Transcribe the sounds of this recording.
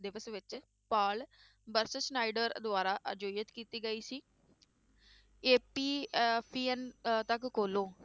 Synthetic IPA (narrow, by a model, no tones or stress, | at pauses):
d̪ɪʋəsʋɪt͡ʃ | paːl | bəɾsəsnaːɪɖəɾd̪ʊaːɾaːʔə̰d͡ʒoːijət̪kiːt̪iːɡəiːsiː | eːpiːpʰiːɛnt̪əkkoːloː